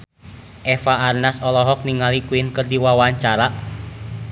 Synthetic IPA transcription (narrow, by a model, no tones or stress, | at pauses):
ʔɛfaːrnasɔlɔɦɔk̚niŋalikuinkərdiwawaɲt͡ʃaɾa